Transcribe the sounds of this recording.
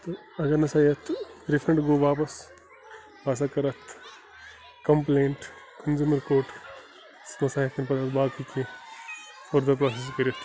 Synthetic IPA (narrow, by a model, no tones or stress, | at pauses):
t̪o | ɐɡɐɾnɐsaːjɐt̪ʰɾifʰɾɐɳʈɡoːʋaːpɐs | ʋas̬akɐɾɐt̪ʰ | kɐmpleːɳʈ | kɐnzumɐɾkoːʈ | snɐsaːjɐkɐnpɐɾɐt̪baːkike | foɾd̪ɐp̬ɾaːses̬peɾiɐt̪ʰ